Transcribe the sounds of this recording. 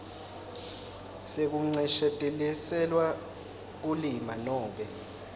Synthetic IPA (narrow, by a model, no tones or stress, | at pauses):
sek̬uŋ͡ǀɛʃɛtʼɛlisɛlwa | k̬ulimanɔːɓɛ